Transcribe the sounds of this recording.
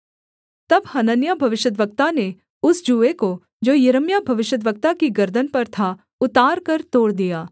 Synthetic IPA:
t̪ɐbhɐnənjabʱɐʋɪʃjəd̪ʋək̚t̪ane | ʊsd͡ʒuːʋeko | d͡ʒoːjɐɾəmjabʱɐʋɪʃjəd̪ʋək̚t̪akiɡɐɾd̪ʱənpɐɾt̪ʰa | ʊt̪aːɾkɐɾt̪oːɽd̪ijaː

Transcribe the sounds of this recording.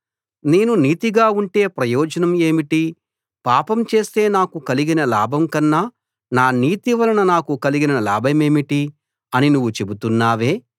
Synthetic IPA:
neːnuniːt̪iɡaːuɳʈe̞ːpɾɐjɔːd͡ʒɐnɐme̞ːmiʈi | paːpɐmt͡ʃe̞ːst̪e̞ːnaːkukɐliɡinɐlaːbʱɐmkɐnːaː | naːniːt̪iʋɐlɐnɐnaːkukɐliɡinɐla̰ːbʱɐme̞ːmiʈi | ɐninuʋːut͡ʃe̞but̪unːaːʋeː

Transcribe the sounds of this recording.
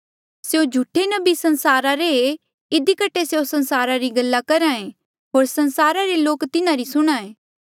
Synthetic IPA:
seõd͡ʒʱuʈʰenɐbisɐ̃nsaːɾaɾee | ɪd̪ikəʈʰːeseosɐ̃nsaːɾaɾiɡɐlːakɐɾaẽ | ɦoːɾsɐnsaːɾaɾeloːkt̪ɪnãɾisʊɽ̃aẽː

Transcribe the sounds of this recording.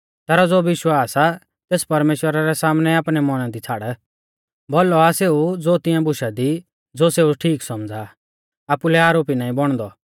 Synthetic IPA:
t̪ɛːɾɔd͡zoːʋɪʃwaːsa | t̪eːspɐɾmeːʃwəɾaɾɛsaːmnɛaːpɽ̃ɛmɔɽ̃ãd̪it͡sʰaːɽɛ | boːlɔaseːud͡zoːt̪ɪ̃jãbʊʃad̪i | d͡zoːseːuʈʰiːksɔmd͡za | aːpulɛaːɾoːpinãːĩbɔɽ̃d̪ɔ

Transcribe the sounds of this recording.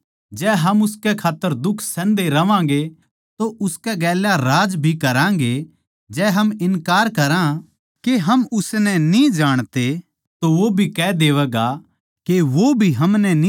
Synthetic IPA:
d͡ʒɛːɦɐmʊskɛkʰaːt̪ːəɾd̪ʊkʰsɛ̃ːnd̪eɾɐʋãːɡe | t̪oʔʊskɛɡɛːljaɾaːd͡ʒbʱikɐɾãːŋ̆ɡe | d͡ʒɛːɦɐmɪnkaːɾkɐɾã | keɦɐmʊsnɛnĩd͡ʒaːɽ̃t̪e | t̪oʋobʱikɛːd̪eːʋɛːɡa | keʋobʱiɦɐmnɛni

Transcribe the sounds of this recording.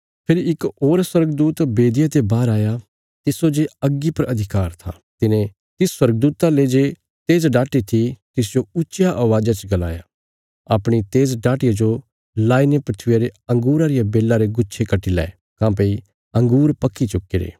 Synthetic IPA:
pʰɪɾiɪkoːɾswɐɾɡəd̪uːt̪beːd̪ijat̪ebaːɾaːja | t̪ɪsod͡ʒeɐɡːipɐɾɐd̪ʱɪkaːɾt̪ʰa̰ | t̪ɪnẽ | t̪ɪsswɐɾɡ̚d̪uːt̪aled͡ʒe | t̪eːzɖaːʈit̪ʰit̪ɪs̬d͡ʒoʊːt͡ʃjaʔɐʋaːd͡ʒat͡ʃɡɐla̰ːja | aːpɽ̃it̪eːzɖaːʈɪjad͡ʒo | laːinepɾɐt̪ʰɪjaɾeɐ̃ŋɡuːɾaɾɪjabeːlːaɾeɡʊːt͡ʃʃʰekɐʈilɛ̰ː | kãːp̬ei | ɐ̃ŋɡuːɾpɐkːit͡ʃʊkːeɾḛː

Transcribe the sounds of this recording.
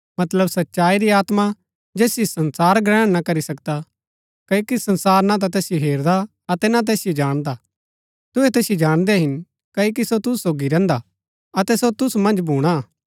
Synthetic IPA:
mɐt̪ləbsɐtːʃaːiɾiaːt̪ma | d͡ʒeːsjisɐnsaːɾɡɾɛ̃ːɽ̃nakɐɾisɐkd̪a | kɐokisɐ̃nsaːɾnat̪̬at̪ɛːsɪjoɦeːɾd̪a | ɐt̪ɛnat̪̬ɛːsɪjed͡ʒaːɽ̃d̪a | t̪ʊɦɛt̪ɛːsɪjed͡ʒaːɽ̃d̪ɛɦɪn | kɐːok̬isot̪ʊssoːɡiɾɛ̃ːnd̪a | ɐt̪ɛsot̪ʊsmɐ̃nd͡ʒbʱuːɽ̃a

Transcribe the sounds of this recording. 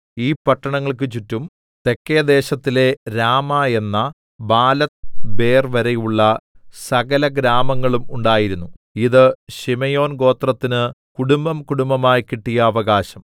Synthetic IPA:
iːpɐʈːɐɳɐŋːɐɭk̬ɨt͡ɕutːum | t̪e̞kːejɐd̪e̞ːɕɐt̪ːile̞ɾaːmaːe̞nːɐ | baːlɐt̪be̞ːrʋɐɾejuɭːɐsɐɣɐlɐɡɾaːmɐŋːɐɭumuɳɖaːjiɾunːu | iðɨɕimɐjo̞ːnɡo̞ːt̪rɐt̪ːinɨkuɽumbɐmkuɽumbɐmaːjkiʈːijɐːʋɐɣaːɕɐm

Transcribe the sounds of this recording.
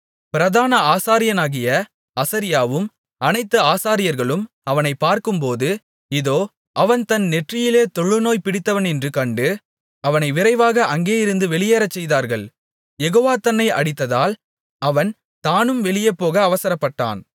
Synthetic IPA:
pɪɾɐðaːnɐaːsaːɾɪjɐnaːɣɪjɐ | ɐsɐɾɪjaːʋɯm | ɐnɐɪt̪ːɐaːsaːɾɪjɐɾɣɐɭɯm | ɐʋɐnɐɪpːaːɾkɯmpoːðɯ | ɪðoː | ʔɐʋɐnt̪ɐnnɛʈrɪjɪleːt̪ɔɭːɯnoːjpɪɽɪt̪ːɐʋɐnɛndrɯkɐɳɖɯ | ɐʋɐnɐɪʋɪɾɐɪʋaːɣɐʔɐŋɡeːjɪɾɯnd̪ɯʋɛɭɪjeːɾɐt͡ʃːɛjðaːɾɣɐɭ | jɛɣoːʋaːt̪ɐnːɐɪʔɐ̰ɽɪt̪ːɐðaːl | ɐʋɐn | t̪aːnɯmʋɛɭɪjɐpːoːɣɐːʋɐsɐɾɐpːɐʈːa̰ːn

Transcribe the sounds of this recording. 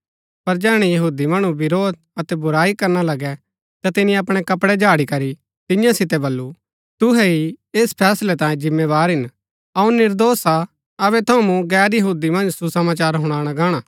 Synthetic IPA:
pɐɾd͡ʒɛːɽ̃ɛjɐɦuːd̪imɐɽ̃ubɪɾoːd̪̚ɐt̪ɛbʊɾaːikɐɾnalɐɡɛ | t̪at̪ɪnĩɐpɽ̃ɛkɐpɽɛd͡ʒaːɽikɐɾi | t̪ɪjãsɪt̪̬ɛbɐlːu | t̪ʊɦɛieːspʰɛːslɛt̪ãːjẽd͡ʒɪmːeβaːɾɦɪn | ɐũnɪɾd̪oːsa | ɐβɛt̪ʰõmũɡɛːɾjɐɦuːd̪imɐ̃nd͡ʒsusɐmaːt͡ʃaːɾɦʊɽ̃aːɽ̃aɡaːɽ̃aː

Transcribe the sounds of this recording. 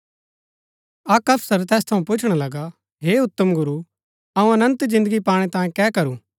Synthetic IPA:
ɐkɐpʰsəɾt̪ɛːst̪ʰɐũpʊt͡ʃʰɽ̃alɐɡa | ɦeːʊt̪ːəmɡʊɾu | ɐũɐnə̃nt̪d͡ʒɪ̃nd̪əɡipaːɽ̃et̪ãːjẽkɛːkɐɾũː

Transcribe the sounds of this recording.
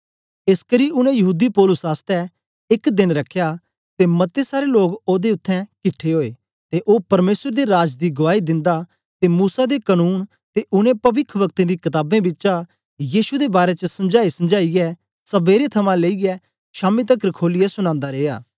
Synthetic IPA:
eskəɾiːʊñɛ̃jɐɦuːd̪ipɔːlʊsaːst̪ɛ | ɪkd̪ɪnɾɐkʰːejaː | t̪emɐt̪esaːɾeloːɡoːd̪eʊt̪ʰːɛ̃kɪʈʰːeɦoːḛː | t̪eʔoːpɐɾmeːsəɾd̪iɾaːd͡ʒd̪iɡʊʋaːid̪ɪ̃nd̪a | t̪emuːsad̪ekənuːn | t̪eʔʊñẽpɐʋɪkʰʋɐk̚t̪ẽd̪ikɐt̪aːbẽbɪt͡ʃa | jiːʃud̪ebaːɾet͡ʃəsɐmd͡ʒaːisɐmd͡ʒaːiɡɛ | sɐbeːɾet̪ʰɐmãleːiɡɛ | ʃaːmit̪ɐkɾəkʰoːlijɛsʊñãːnd̪aɾeːa̰ː

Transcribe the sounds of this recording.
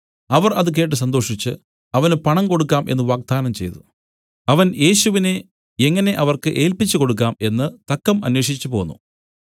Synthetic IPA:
ɐʋɐrɐðɨk̬eːʈːɨs̬ɐnd̪o̞ːʂit͡ɕːɨ | ɐʋɐnɨpɐɳɐmko̞ɽukːaːmʔe̞nːɨʋaːɡ̚d̪aːnɐmt͡ɕe̞̰jt̪u | ɐʋɐnje̞ːɕuʋine̞ | eŋːɐne̞ʔɐʋɐrkɨʔe̞ːlpit͡ɕːuko̞ɽuk̬ːaːme̞nːɨt̪ɐkːɐmɐ̰nweːʂit͡ɕːupo̞ːnːṵ

